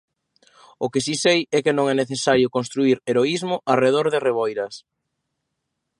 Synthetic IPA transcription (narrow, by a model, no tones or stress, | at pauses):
ʊkɪsisejɛkɪnõŋɛneθesaɾjʊkonst̪ɾuiɾeɾoizmʊʔareðoɾðɪreβojɾɐs